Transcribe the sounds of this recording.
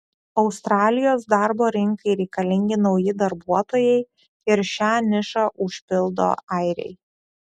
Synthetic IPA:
ɒʊst̪ɾɑːlʲɪjoːs̬d̪ɑɾboːɾʲɪŋkɐɪɾʲɛɪkɐlʲɪŋʲɡʲɪnɒʊjɪd̪ɐɾbuɔt̪oːjɛɪ | ɪɾʃʲæːnʲɪʃɐʔʊʃʲpʲɪlˠd̪o̰ːæɪɾʲɛ̰ɪ

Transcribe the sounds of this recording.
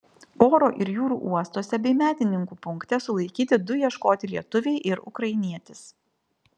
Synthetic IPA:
oːɾoːʔɪɾjuːɾṵːʔuɔst̪oːsʲɛbʲɛɪmʲæːt̪ʲɪnʲɪŋkuːpʊŋkt̪ʲɛsʊlˠɐɪkʲiːt̪ʲɪd̪ʊjiɛʃkoːt̪ʲɪlʲiɛt̪ʊʋʲɛɪʔɪɾʊ̰kɾɐɪnʲiɛt̪ʲɪs

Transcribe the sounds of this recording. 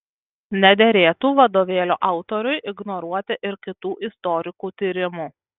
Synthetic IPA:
nʲɛd̪ʲeɾʲeːt̪uːʋɐd̪oːʋʲeːlʲoːʔɑˑʊt̪ɔɾʲʊjʔɪɡnɔɾuɔt̪ʲɪʔɪɾkʲɪt̪uːʔɪst̪ɔɾʲɪkuːt̪ʲiːɾʲɪmuː

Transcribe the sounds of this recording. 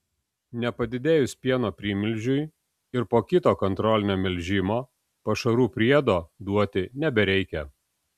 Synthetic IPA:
nʲɛpɐd̪ʲɪd̪ʲeːjʊsʲpʲiɛnoːpʲɾʲiːmʲɪlʲʒʲʊj | ɪɾpoːkʲɪt̪oːkɔnt̪ɾɔlʲɪnʲoːmʲɛlʲʒʲɪmoː | pɐʃɐɾuːpʲɾʲiɛd̪oːd̪uɔt̪ʲɪnʲɛbʲɛɾʲɛɪkʲɛ

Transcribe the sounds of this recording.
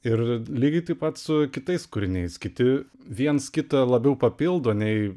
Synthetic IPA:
ɪrlʲiːɡʲɪt̪ɐɪpɐt̪sʊkʲɪt̪ɐɪskʊɾʲɪnʲɛɪskʲɪt̪ʲɪ | ʋʲiɛnskʲɪt̪ɐlˠɐbʲɛʊpɐpʲɪlˠd̪oɐnʲɛɪ

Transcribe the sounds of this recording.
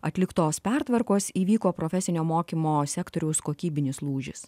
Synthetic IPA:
ɐt̪ʲlʲɪkt̪oːspʲæɾt̪ʋɐɾkoːsiːʋʲiːkoːpɾoːfʲɛsʲɪnʲoːmoːkʲiːmoːsʲæːkt̪oːɾʲɛʊskoːkʲiːbʲɪnʲɪslˠuːʒʲɪ̰s

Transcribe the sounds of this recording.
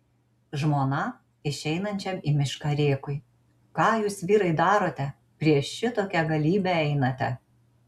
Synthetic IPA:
ʒmoːnɐ | ɪʃʲɛɪnɐnʲt͡ʃʲɛmimʲɪʃkɐɾʲeːkʊɪ | kɑːjuːsʋʲiːɾɐɪd̪ɑːɾoːt̪ʲɛ | pʲɾʲiɛʃːʲɪt̪oːkʲɛɡɐlʲiːbʲɛɛɪnɐt̪ʲɛ

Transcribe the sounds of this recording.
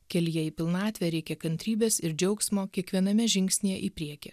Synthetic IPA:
kʲɛlʲjɛiːpʲɪlˠnɑːt̪ʲʋʲɛɾʲɛɪkʲɛkɐnʲt̪ʲɾʲiːbʲeːsɪɾd͡ʒʲɛʊksʲmoːkʲiɛkʋʲiɛnɐmʲɛʒʲɪŋʲksʲnʲijɛʔipʲɾʲiɛkʲɛ

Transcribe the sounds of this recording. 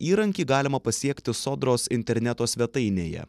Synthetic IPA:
iːɾɐŋʲkʲiːɡɑːlʲɪmɐpɐsʲiɛkʲt̪ʲɪsoːd̪ɾoːsɪnʲt̪ʲɛɾʲnʲæt̪oːsʲʋʲɛt̪ɐɪnʲeːjɛ̰

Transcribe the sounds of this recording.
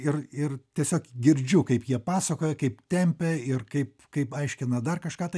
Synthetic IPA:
ɪrɪrt̪ʲiɛsʲoːkɡʲɪɾʲd͡ʒʲʊkɐɪpjiɛpɑːsɐkoːjɛkɐɪp̚t̪ʲɛmʲpʲɛɪrkɐɪpkɐɪpɐɪʃʲkʲɪnɐd̪ɐrkɐʃkɑːt̪ɐɪ

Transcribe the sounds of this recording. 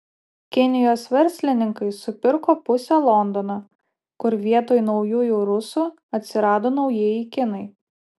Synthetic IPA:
kʲɪnʲɪjoːsʋʲɛɾʲˑsʲlʲɪnʲɪŋkɐɪsʊpʲɪɾkoːpʊsʲɛlˠɔnd̪ɔnɐ | kʊɾʋʲiɛt̪oːjnɒʊjuːjuːɾʊsu | ɐt̪ʲsʲɪɾɑːd̪oːnɒʊjeɛjɪkʲɪnɐɪ

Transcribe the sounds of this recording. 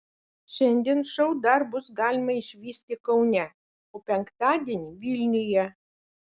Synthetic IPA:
ʃʲɛnʲd̪ʲiɛnʃɔʊd̪ɐɾbʊsɡɑːlʲɪmɐɪʃʲʋʲiːsʲt̪ʲɪkɐʊnʲɛ | oːpʲɛŋkt̪ɑːd̪ʲiɛnʲiʋʲilʲnʲɪjɛ

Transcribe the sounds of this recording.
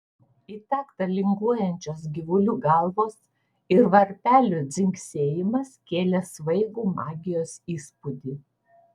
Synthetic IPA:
iːt̪ʲɑːkt̪ɐlʲɪŋɡuɔjɛnʲt͡ʃʲoːs̬ɡʲɪʋʊlʲuːɡɐlˠʋoːs | ɪɾʋɐɾʲp̪ʲæːlʲud̪zʲɪŋʲksʲeːjɪmɐskʲeːlʲɛsʋɐɪɡuːmɑːɡʲɪjoːsiːspʊd̪ʲiː

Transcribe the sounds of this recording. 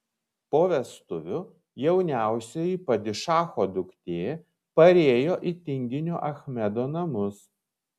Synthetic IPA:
poːʋʲɛst̪ʊʋʲʊ | jɛʊnʲæˑʊsʲɛjipɐd̪ʲɪʃɑːxoːd̪ʊkt̪ʲeː | pɐɾʲeːjoːʔit̪ʲɪŋʲɡʲɪnʲuʔɐxʲmʲɛd̪oːnɐmʊs

